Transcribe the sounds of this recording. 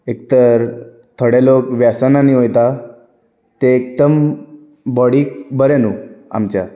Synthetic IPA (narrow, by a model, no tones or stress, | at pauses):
ek̚t̪əɾ | t̪ʰəɽelokʋjasananiɦojt̪a | t̪eːk̚d̪əm | bɔɽiːk̚bəɾenua̰mt͡ɕa̰